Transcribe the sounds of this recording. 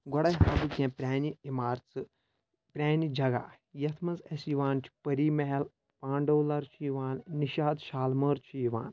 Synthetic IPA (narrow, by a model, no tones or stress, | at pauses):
ɡɔɽɐɦɦɐbɨkʲẽːpɾʲaːniimaːɾt͡sɨ | pɾʲaːnid͡ʒɐɡa̰ː | jɐt̪ʰmɐzɐsiʋaːnt͡ʃʰi̥pɐɾiːmeɦɐl | pãːɳɖoːlɐɾt͡ʃʰijiʋaːnniʃaːd̪ʃaːlməːɾt͡ʃʰijiʋa̰ːn